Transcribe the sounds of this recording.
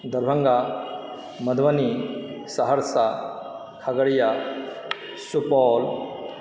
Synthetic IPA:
d̪ɐɾbʱɐ̃ŋɡa | mɐd̪ʱʋɐnisaɦəɾsa | kʰaɡɐɽja | supɔːl

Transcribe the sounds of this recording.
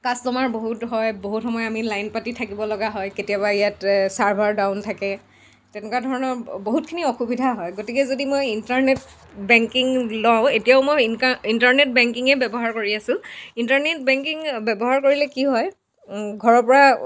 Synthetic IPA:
kastɔmaɹboɦutɦɔjboɦutxɔmɔjamilajnpatitʰakibɔlɔɡaɦɔjketijabaijatsaɹbʱaɹdaʊntʰakɛ | tɛnɛkadʱɔɹɔnɔɹboɦutkʰiniɔxubidʱaɦɔjɡotikɛzodimojintaɹnet | bɛŋkiŋlɔʊ̃etijaʊmojintaɹnet̚bɛŋkiŋɛbɛbɔɦaɹkoɹiasʊ̃intaɹnet̚bɛŋkiŋbɛbɔɦaɹkoɹilɛkiɦɔj | ɡʱɔɹɔɹpɔɹa

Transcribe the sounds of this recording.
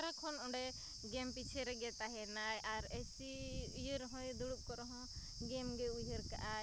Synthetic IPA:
ɾakʰɔnɔɖɛ | ɡɛmpit͡ʃʰɛɾɛɡɛt̪aɦɛnajaɾɛsiujəɾɦɔ̃jd̪uɽup̚kɔɾɔɦɔ̃ | ɡɛmɡɛujɦəɾka̰ʔa

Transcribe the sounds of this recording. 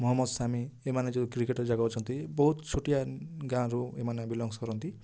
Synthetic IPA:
mɔɦɔmːɔd̪samiemaned͡ʒed̪ikɾikeʈɔd͡ʒaɡawt͡ʃʰɔnt̪ibɔɦut̪t͡ʃʰoʈijaɡãɾuemanebilɔŋskɔɾɔnt̪i

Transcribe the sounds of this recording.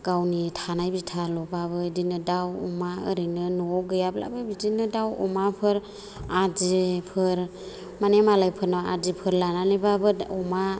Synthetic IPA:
ɡ̥awnitʰanajbitʰalɔbabɯdinɯdawɔ̰maɯɾɯnɯnɔɡɯjabla̰bɯbidinɯdawɔ̰mapʰɯɾ | ad͡ʒipʰɯɾ | manemalajpʰɯɾnaa̰dipʰɯɾlananibabɯɔma

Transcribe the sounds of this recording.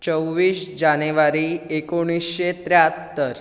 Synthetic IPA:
t͡ʃəwʋiːsd͡ʒaneʋaɾiekoɽ̃isʃet̪ɾjat̪ːəɾ

